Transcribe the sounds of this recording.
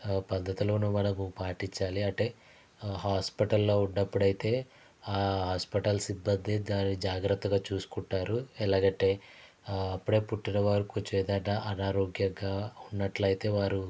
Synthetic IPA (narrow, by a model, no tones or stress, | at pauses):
pɐd̪ʱːɐt̪ilo̞ːnumɐnɐmupaːʈiɲt͡ʃːaːliɐʈe̞ː | ɦaːspiʈɐlːoːuɳɖɐpːuɽɐjit̪e̞ː | aːɦaːspiʈɐlsibːɐnd̪ed̪aːnːid͡ʒaːɡɾɐt̪ːɐɡaːt͡ʃuːsu̥kuɳʈːaːɾuɛlaːɡɐʈːe̞ː | ɐpːuɽe̞ːpuʈːinɐʋaːɾukot͡ʃɛːd̪ɐnːɐʔɐnaːɾoːɡjɐɡaːunːɐʈlɐjit̪e̞ːʋaːɾu